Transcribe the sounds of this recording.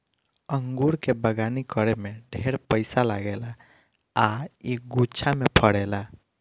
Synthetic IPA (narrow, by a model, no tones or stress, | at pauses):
əŋɡuɾkebəɡanikəɾemeɖʱeɾpəɪsalaɡela | aiɡut͡ʃʰamepʰəɽɛla